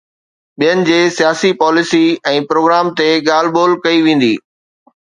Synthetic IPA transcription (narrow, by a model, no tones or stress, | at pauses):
ɓijənɪ̆d͡ʑeːsijaːsipɔːlɪsiɛ̃ːpɾoːɡɾaːmt̪eɠaːl̤boːlkɐiʋẽːn̆d̪ḭː